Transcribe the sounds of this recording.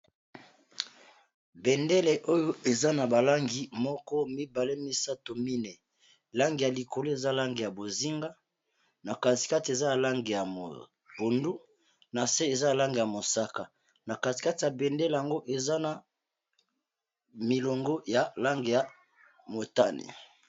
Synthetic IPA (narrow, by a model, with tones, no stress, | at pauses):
bɛ˨nde˦le˨ʔo˦jo˦e˨za˦na˨ba˨la˦ŋɡi˨mɔ˦kɔ˦mi˦ba˨le˦mi˦sa˦to˨mi˦nɛ˨ | la˦ŋɡi˨ja˨li˨ko˨lo˦e˨za˦˨la˦ŋɡe˨ja˨bo˨zi˦ŋɡa˦ | na˨ka˨si̥˨ka˦ti˨e˨za˦a˨la˦ŋɡe˨ja˨mo̰˨ | bo˨ndu˦ | na˨se˦e˨za˦a˨la˦ŋɡe˨ja˨mo˨sa˦ka˨ | na˨ka˨ti̥˨ka˦ti˨ja˨bɛ˨ndɛ˦le˨ja˨ŋɡo˦ʔe˨za˦na˨ | mi˨lo˨ŋɡo˦ja˨la˦ŋɡe˨ja˨ | mo˨ta̰˦nḭ˨